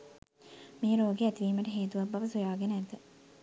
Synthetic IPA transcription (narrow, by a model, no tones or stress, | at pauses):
mijəɾoːɡeæt̪iʋiːməʈəɦeːt̪uʋɐbːɐʋəsujaːɡenəæd̪ə